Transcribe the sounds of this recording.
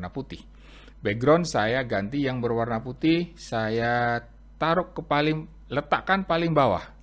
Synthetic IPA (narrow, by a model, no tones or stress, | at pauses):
naput̪ɪh | beɡɾɔnsajaɡant̪ijaŋbərwarnaput̪ɪhsaja | t̪aɾʊkːəpalɪŋ | lət̪aʔkanpalɪŋbawa̰h